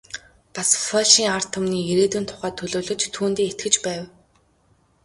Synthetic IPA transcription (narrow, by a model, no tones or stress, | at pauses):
pasfɔɮʃiːŋar̥t̪ʰʊmniːeɾeːt̪ɘ̆nt̪ʰʊ̥χæːt̪ʰːɵɮoːɮɵ̆t͡ɕt̪ʰuːnt̪iːet̪̚ɡɘ̆t͡ɕpæːw